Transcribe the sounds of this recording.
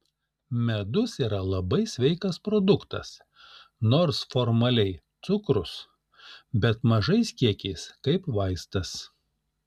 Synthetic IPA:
mʲɛd̪ʊsiːɾɐlˠɐbɐɪsʲʋʲɛɪkɐspɾod̪ʊkt̪ɐ̰s | noːɾsfɔɾmɐlʲɛɪt̪sʊkɾʊs | bʲɛt̪mɐʒɐɪskʲiɛkʲɛɪskɐɪpʋɐɪst̪ɐs

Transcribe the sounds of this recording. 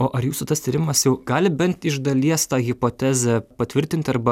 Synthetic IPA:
oːʔɐɾjuːsut̪ɐst̪ʲiːɾʲɪmɐsjɛʊɡɑːlʲɪbʲɛnt̪ɪʒd̪ɐlʲiɛst̪ɑːɣʲɪpoːt̪ʲæːzʲɛpɐt̪ʲʋʲɪɾʲt̪ʲɪnʲt̪ʲɐɾbɐ

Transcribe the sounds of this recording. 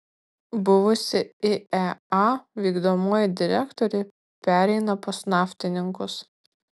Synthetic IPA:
bʊʋʊsʲɪɪɛɑːʋʲiːɡd̪oːmoːjɪd̪ʲɪɾʲækt̪ɔɾʲɛ | pʲæːɾʲɛɪnɐposnɑːfʲt̪ʲɪnʲɪŋkʊs

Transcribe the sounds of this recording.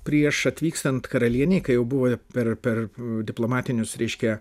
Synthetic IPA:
pʲɾʲiɛʃɐt̪ʲʋʲiːkst̪ɐnt̪kɐɾɐlʲiɛnʲɛɪkɐɪjɛʊbʊʋoːpʲɛrpʲɛrd̪ʲɪplˠoːmɑːt̪ʲɪnʲʊsɾʲɛɪʃʲkʲɛ

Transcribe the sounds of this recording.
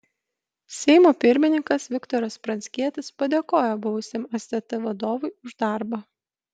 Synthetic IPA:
sʲɛɪmoːpʲɪɾʲmʲɪnʲɪŋkɐsʋʲɪkt̪ɔːɾɐspɾɐnʲsʲkʲiɛt̪ʲɪspɐd̪ʲeːkoːjobʊʋʊsʲemɐsʲt̪ʲɛt̪ɐʋɐd̪oːʋʊɪʊʒd̪ɑˑɾbɐ

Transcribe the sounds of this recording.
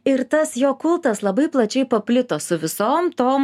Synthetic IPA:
ɪɾt̪ɐsjoːkʊlˠt̪ɐslˠɐbɐɪplˠɐt͡ʃʲɛɪpɐpʲlʲɪt̪oːsʊʋʲɪsoːmt̪oːm

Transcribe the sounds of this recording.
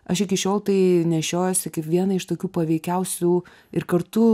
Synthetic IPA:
ɐʃɪkʲɪʃʲoːlˠt̪ɐɪnʲɛʃʲoːjoːsʲɪkɐɪpʋʲiɛnɐɪʃt̪oːkʲuːpɐʋʲɛɪkʲɛʊsʲuː | ɪɾkɐɾt̪ʊ

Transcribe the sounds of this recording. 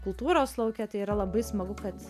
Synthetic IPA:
kʊlˠt̪uːɾoːslˠɐʊkʲɛt̪ɐɪiːɾɐlˠɐbɐɪsmɐɡʊkɐt̪

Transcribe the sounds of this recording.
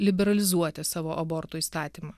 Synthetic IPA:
lʲɪbʲɛɾɐlʲɪzuɔt̪ʲɛsɑːʋoːʔɐbɔɾt̪uːiːst̪ɑːt̪ʲiːmɑː

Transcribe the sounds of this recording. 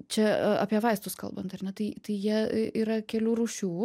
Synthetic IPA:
t͡ʃʲɛɐ̰ːpʲiɛʋɐɪst̪ʊskɐ̰lˠbɐnt̪ɐrnʲɛt̪ɐɪt̪ɐɪjiɛiːɾɐkʲɛlʲuːɾuːʃʲuː

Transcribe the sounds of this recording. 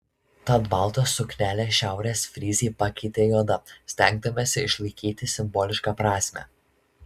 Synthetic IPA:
t̪ɐd̪bɑlˠt̪oːsːʊkʲnʲæːlʲeːʃʲæˑʊɾʲeːsʲfʲɾʲiːzʲiːpɐkʲɛɪt̪ʲeːjɔd̪ɐsʲt̪ʲɛŋɡ̚d̪ɐmʲeːsʲɪɪʃlˠɐɪkʲiːt̪ʲɪsʲɪmbɔːlʲɪʃkɑpɾɑːsʲmʲɛ̰ː

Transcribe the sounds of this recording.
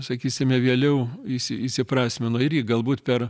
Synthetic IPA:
sɐkʲiːsʲɪmʲɛʋʲiɛlʲɛʊisʲɪɪʃʲsʲɪpɾɑːsʲmʲɪnoːɪɾʲjiɡɐlˠbuːt̪pʲɛr

